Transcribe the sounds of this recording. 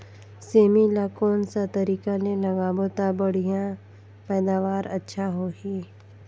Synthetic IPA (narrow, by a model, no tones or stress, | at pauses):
seːmilaːkoːnsat̪əɾiːkanẽlɐɡaːbot̪abəɽ̤ijã | pɛːd̪aːʋaːɾətːʃʰaɦoːɦiː